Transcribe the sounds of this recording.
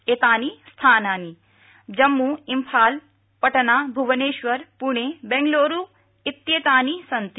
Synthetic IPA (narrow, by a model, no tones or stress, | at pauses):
et̪aːnist̪ʰaːnaːni | d͡ʒəmːuɪmpʰaːl | pəʈnabʱuʋəneːʃʋəɾpuɳ̃ebɛ̃ŋɡloːɾu | ɪt̪jet̪aːnisɐnt̪